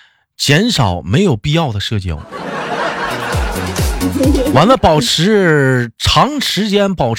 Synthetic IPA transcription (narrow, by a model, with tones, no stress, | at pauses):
t͡ɕjɛ˧˥nʂɑ˨˩˦ʊme˧˥ɪjo˨˩ʊpi˥˧jɑ˥˩ʊd̪ə˩ʂɤ˥˧˩t͡ɕjo̰˥˩ʊ˥˩ | wa˧˥nlə˧pɑ˨˩ʊʈ͡ʂʰɻ̩˧˥ʈ͡ʂʰɑ˧˥ŋʂɻ̩˧˥t͡ɕjɛ˥npɑ˨˩ʊʈ͡ʂ